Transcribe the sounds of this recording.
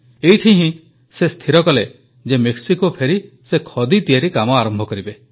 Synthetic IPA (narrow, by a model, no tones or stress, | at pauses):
ejʈʰiɦĩ | sest̪ʰiɾɔkɔle | d͡ʒemeksikopʰeɾi | sekʰɔd̪it̪ijaɾikamɔaɾɔmbʱɔkɔɾibe